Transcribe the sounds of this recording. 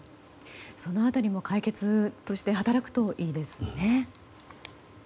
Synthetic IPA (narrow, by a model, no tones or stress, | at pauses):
so̞no̞at̪aɾʲimo̞kʰaike̞t͡sɨt̪o̞ɕi̥t̪e̞ɦat̪aɾakɯ̟̥t̪o̞ʔiːd̪e̞sɨ̥ne̞